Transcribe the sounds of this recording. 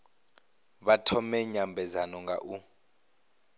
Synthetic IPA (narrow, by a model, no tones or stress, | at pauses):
βatʰɔmɛɲambʱɛzanɔŋɡa̰ʔu